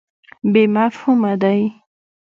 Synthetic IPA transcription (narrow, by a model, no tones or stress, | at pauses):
bemafhumad̪aj